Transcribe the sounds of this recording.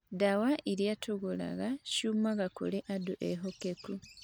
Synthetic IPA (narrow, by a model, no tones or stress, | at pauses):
dawaʔiɾjatʰoɡula̰ɣaʃumaɣakṵleʔaduʔeɦokeku